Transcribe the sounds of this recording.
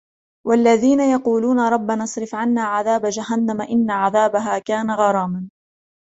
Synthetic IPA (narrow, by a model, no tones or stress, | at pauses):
walːaðiːnajɑquːluːnaɾˤɑbːanɑsˤɾɪfʕanːaːʕaðaːbad͡ʒaɦanːamaʔɪnːaʕaðaːbaɦaːkaːnaɣɑɾˤɑːman